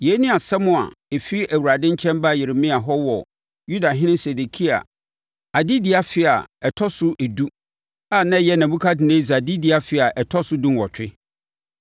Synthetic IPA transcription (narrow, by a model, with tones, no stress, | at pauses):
je˨˦nĩ˦a˨sɛ˦mʊ̃˦a̰˨e˨fi˦i˦ʔæ˨wu˨ɾa˨dɪ̃˦ɲ̩˦t͡ɕʰɛ̃˦mba˦˨jɪ˨ɾɪ˨mɪ̃˦a˨ɦɔ˦wɔ˨ | ju˦da˨ɦɪ̃˦nɪ̃˦mse˨de˨kʰi˦a̰˨ | a˨dɪ˦di˨a˨fɪ˦a̰˨ɛ˨tʰɔ˦sʊ˦ʔe˨du˦ | a˨nã˦jɛ˦nã˨bũ˦kʰa˦dɪ˨nẽ˦za˨dɪ˦dɪ˨a˦fɪ˨a˨ʔɛ˨tʰɔ˦sʊ˦dũ˦n˨wɔ˨t͡ɕᶣɪ˦